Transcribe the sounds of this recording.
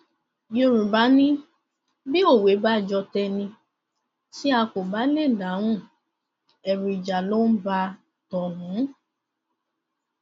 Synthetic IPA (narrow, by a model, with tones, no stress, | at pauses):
jo˧ɾũ˨ba˨˦nĩ˦ | bi˦o˦˨we˨˦ba˦˨d͡ʒɔ˧tɛ˧nĩ˧ | si˦a˧ko˨ba˨˦le˦˨da˨˦ɾ̃ũ˦˨ | ɛ˨ɾi˨d͡ʒa˨lo˦n̩˦ba˧ | tɔ˨nũ˨˦